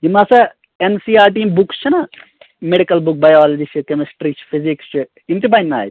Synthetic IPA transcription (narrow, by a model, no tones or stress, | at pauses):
jimɐsɐ | ensiːaːɾʈiːmbukt͡ʃʰinɐ | meɽikɐlbuk̚bɐjaːlɐd͡ʒit͡ʃʰikemisʈɾiːt͡ʃʰi̥fizikst͡ʃʰi | imt̪ibɐinːa̰ːjt̪